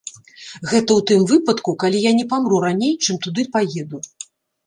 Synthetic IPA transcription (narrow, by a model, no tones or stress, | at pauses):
ɣɛt̪ɐwt̪ɨmvɨpɐt̪kukalʲijanʲɛpamɾuɾanʲejt͡ʂɨmt̪ud̪ɨpajɛd̪u